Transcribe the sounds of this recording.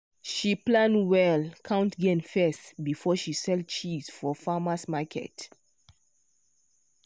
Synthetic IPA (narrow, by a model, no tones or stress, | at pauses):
ʃiplãndwɛlkʰãʊ̃ntɡɛ̃nfɛstbifɔʃisɛlt͡ʃiz̥fɔfamasmakʰɛ̰t